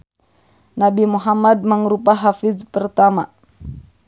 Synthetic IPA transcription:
nabimuɦamad̪̚məŋɾupaɦafizpərt̪ama̰

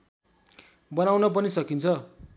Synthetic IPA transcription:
bʌnawnʌp̬ʌnisʌkint͡sʰʌ

